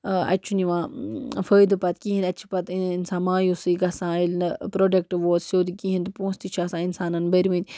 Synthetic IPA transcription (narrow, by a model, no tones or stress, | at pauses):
ɐ̰t͡ʃʰuniʋãːfəːjd̪ɨpɐt̪kiɦinʲɐt͡ʃʰi̥pɐt̪insaːnmãːjusɨːɡɐsãːilnpɾoːɖɐk̚ʈʋoːt̪sjoːd̪ikiɦinʲt̪upõːst̪it͡ʃʰaːsãːinsaːnɐnbɐɾʋĩt̪ʲ